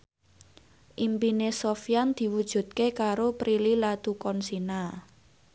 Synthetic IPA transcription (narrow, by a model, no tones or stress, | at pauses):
ʔimpinesofijand̪̥i̤wud̥ʒ̥ṳt̪̚kekaɾopɾililat̪ukɔnsina